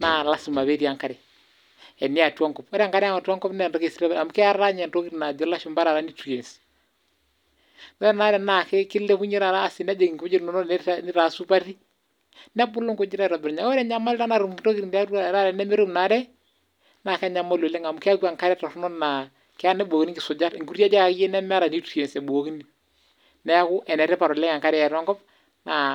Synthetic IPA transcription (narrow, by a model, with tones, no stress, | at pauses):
na˨la˦su˨ma˨βe˦ɾi˨a˨ŋka˦ɾɛ˨ | ɛ˨nɪ˦a˨twa˦ŋkɔ˨pɔ˦ɾɛ˦a˨ŋka˦ɾɛ˦a˦ŋa˨ta˦ŋkɔ˦pnɛ˨ndɔ˦ke˨sɾa˦βɛ˨a˨mu˦kɪ˦a˦ɾa˦ɲɛ˨nɾo˦ki˦ɾi˨na˨d͡ʒɔ˨la˦ʃɔ˨mba˦ɾa˨ɾa˦ni˦tu˨e˨nsi̥˨ | ɔ˦ɛ˦na˨˦ɾɛ˨na˨kɛ˦kɪ˦lɛ˦ku˦ɲɛ˦ɾa˨ɾaː˦˨si˨n˦a˦d͡ʒe˨ki˨ŋko˨o˦d͡ʒi˦ɾnɔ˨nɔ˦nɪ˦ɾa˨su˦pa˦ɾi˦ | nɛ˦bʊ˦lʊ˦ŋko˦d͡ʒɪ˦ɾa˦˨ɾɔ˨bɪ˨ɾɲa˨˦ɔ˦ɾɛ˨ɲa˨˦ma˦la˦na˨ɾu˨mto˦ki˨ɾi˨nda˦ɾa˨ɾa˦ɾɛ˨nɛ˦mɪ˦ɾo˦mna˨˦ɾɛ˦ | na˨kɛ˦ɲa˨ma˦lo˨le˦ŋa˨mʊ˦kɪ˦a˦kwa˨ŋka˦ɾɛ˦ta˨rnɔ˦na˨ | kɪ˦a˦nɛ˦bo˨ki˦ni˦ŋɡɪ˨sʊ˨d͡ʒa˦ɾŋɡu˦ɾja˦d͡ʒa˦ka˨kjɛ˦nɛ˦m˦a˦ɾa˨ni˦tu˨e˨nsɛ˨bo˨o˦ki˦ni˨ | nɛ˦a˦kʊ˦ʔɛ˨nɛ˨ɾɛ˦pa˨ɾɔ˨lɛ˦ŋa˨ŋka˦ɾɛ˨ɛ˨ɾa˦ŋɡɔ˦p | na˨